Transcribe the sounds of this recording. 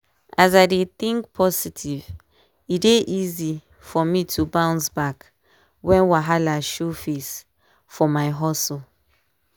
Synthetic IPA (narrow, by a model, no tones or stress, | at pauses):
az̬aɪdet̪ĩŋk̚pʰɔsitʰiv | ideʔizi | fɔmitʰubãʊ̃nsbak | wɛ̃nwaɦalaʃufes | fɔmaɪɦɔso